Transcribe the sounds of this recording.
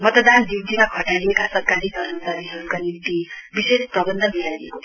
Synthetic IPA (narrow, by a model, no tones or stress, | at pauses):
mʌt̪d̪and̪iɡ̚d̪inakʰʌʈaliekasʌrkaɾikʌɾnsaɾiɦʌɾukanimt̪ibisesprʌbʌnd̪ʱʌbijadiḛko